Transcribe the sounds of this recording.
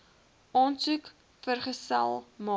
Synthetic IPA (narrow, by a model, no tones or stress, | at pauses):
ɑːnsuk | fərχəsæ̰lˠmɑː